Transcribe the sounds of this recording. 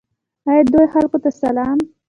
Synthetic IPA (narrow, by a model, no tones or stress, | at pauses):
ajd̪ojxalkot̪asalɑːm